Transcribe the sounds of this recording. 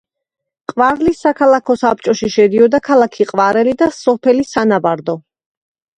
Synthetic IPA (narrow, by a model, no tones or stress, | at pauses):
qʼvaɾlisːakʰalˠakʰɔsap̚t͡ʃʼɔʃiʃɛd̪iɔd̪akʰalˠakʰiqʼvaɾɛlid̪asɔpʰɛlisanabaɾd̪ɔ